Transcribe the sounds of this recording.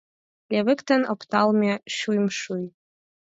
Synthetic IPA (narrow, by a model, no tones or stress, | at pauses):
lʲevɨktʰɐnopʰtʰalmiaʃujmʂuj